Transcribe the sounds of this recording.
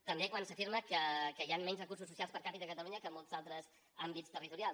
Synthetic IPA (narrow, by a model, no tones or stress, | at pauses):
t̪əmbekwansəfiɾməkəkəianːɛɲzrəkursususialˠspəɾkapiðəkət̪əluɲəkəmɔlˠt̪zalˠt̪ɾəz | ambitst̪ərit̪uɾial